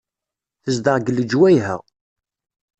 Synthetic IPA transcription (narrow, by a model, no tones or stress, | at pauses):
θəzd̪əʁɡəlːəd͡ʒwæjɦə̰ʁ